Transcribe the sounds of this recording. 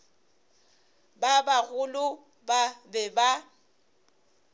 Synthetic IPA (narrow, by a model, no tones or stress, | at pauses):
babaɣʊlʊ | babɛba